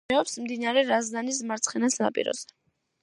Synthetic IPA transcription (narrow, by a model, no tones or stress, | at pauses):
ɛɔpsmd̪inaɾɛɾazd̪anismaɾt̪sʰχɛnasna̰pʼḭɾɔ̰z̥ɛ